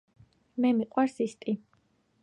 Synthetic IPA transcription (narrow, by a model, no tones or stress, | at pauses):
mɛmiqʼwaɾsist̪ʼi